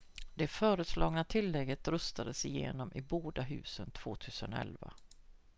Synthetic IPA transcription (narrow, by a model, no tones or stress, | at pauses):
d̪ɛfœːɾəslɑːɡnat̪ʰɪlːɛɡːət̪ɾɵst̪ad̪əsɪjḛːnɔmʔɪboːd̪aɦʉ̟ːsənt̪ʰv̥oːt̪ʰʉ̟ːsənɛ̰lva̰